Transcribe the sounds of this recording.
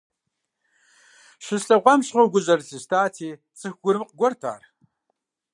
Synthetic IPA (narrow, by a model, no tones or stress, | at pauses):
ɕɪsɬɐʁʷɐmɕʁʷoɡʷʊʑɐrsɨstʰaːtʰiːt͡sʼɨxɡ̥ʷʊɾɨmqɡʷɔrtʰa̰ːr